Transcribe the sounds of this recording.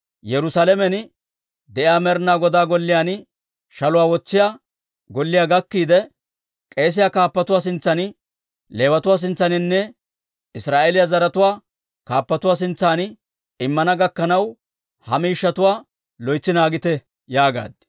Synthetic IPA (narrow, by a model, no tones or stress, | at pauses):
jɛɾʊsaːlɛmɛnɪ | d̪ɛʔɪaːmɛɾnaːɡɔd̪aːɡɔlːɪjaːn | ʃɐlʊwaːwɔt͡sːɪjaː | ɡɔlːɪjaːɡɐkːiːd̪ɛ | kʼe̞ːs̬ɪjakaːpːɐt̪ʊwaːs̬ɪnt͡sːɐn | le̞ːwɐt̪ʊwaːs̬ɪnt͡sːɐnɪnːɛ | ɪsɾaːʔeːlɪjɐzɐɾɐt̪ʊwaː | kaːpːɐt̪ʊwaːs̬ɪnt͡sːaːn | ɪmːɐnɐɡɐkːɐnɐw | hɐmiːʃːɐt̪ʊwaː | lɔjt͡sːɪnaːɡɪt̪ɛ | jaːɡa̰ːd̪̚